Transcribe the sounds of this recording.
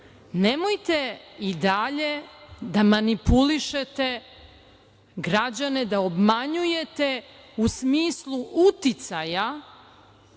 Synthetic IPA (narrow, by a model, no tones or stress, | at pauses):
nemojt̪e̞id̪aʎe̞d̪amanipuliʃet̪e̞ | ɡɾad͡ʑane̞d̪ao̞bmaɲuje̞t̪e̞ | usmiːslˠuʔut̪it̪saja